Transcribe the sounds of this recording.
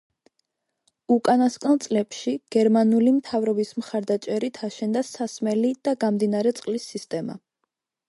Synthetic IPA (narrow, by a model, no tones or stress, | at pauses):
ukʼanaskʼnlˠt̪sʼlɛpʃiɡ̥ɛɾmanulimt̪ʰavɾɔbismχaɾd̪at͡ʃʼɛɾit̪ʰaʃɛnd̪asasmɛlid̪̥aɡamd̪inaɾɛt̪sʼqʼlisːist̪ʼɛma̰